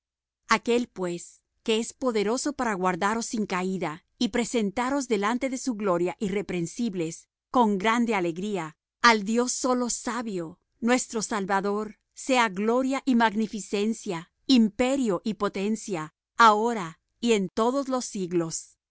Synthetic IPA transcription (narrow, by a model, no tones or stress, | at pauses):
ake̞lpwe̞s | ke̞espo̞ðe̞ɾo̞so̞paɾaɣwaɾðaɾo̞siŋkaiða | ipɾe̞se̞nt̪aɾo̞zðe̞lant̪e̞ðe̞suɣlo̞ɾjaʔire̞pɾe̞nsiβle̞s | ko̞ŋɡɾand̪e̞ale̞ɣɾia | ald̪jo̞sːo̞lo̞saβjo̞ | nwe̞st̪ɾo̞salβaðo̞ɾ | se̞aɣlo̞ɾjaʔimaɣnifise̞nsja | impe̞ɾjo̞ʔipo̞t̪e̞nsja | aoɾa | ient̪o̞ðo̞zlo̞sːiɣlo̞s